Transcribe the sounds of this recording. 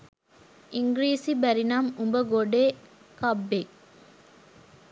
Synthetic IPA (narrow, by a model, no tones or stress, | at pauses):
ʔiŋɡɾiːsibæɾinamumbəɡoɖeː | kɐbːek